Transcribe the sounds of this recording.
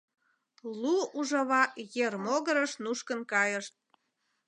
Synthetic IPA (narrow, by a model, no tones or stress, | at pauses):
luuʒɑβɑjermoɣəɾəʃnuʃkənkɑjəʃt̪̚